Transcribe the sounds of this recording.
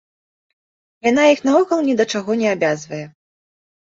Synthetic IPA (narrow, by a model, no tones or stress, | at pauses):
jan̪ajixnavɔkɐlˠnʲɛd̪ɐt͡ʂaɣɔnʲɛabʲazvɐjɛ